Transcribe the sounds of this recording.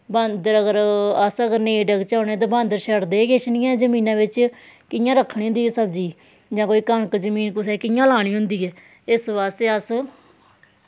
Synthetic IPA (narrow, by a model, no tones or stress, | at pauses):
bãːnd̪əɾəɡəɾəsəɡəɾnẽːɖəɡt͡ʃaːneːt̪ãːbãːnd̪əɾʃəɾd̪eːɡeʃnĩːãːzəmiːnãːʋɪt͡ʃ | kɪjãːɾəkʰːɳ̃iːɦnd̪iːɛːsəbd͡ʒiː | d͡ʒãːkoːiːkəɳkd͡ʒəmiːnkʊsɛːkɪjãːlaːɽ̃iːɦʊnd̪iːɛː | ɪsʋaːst̪eːəs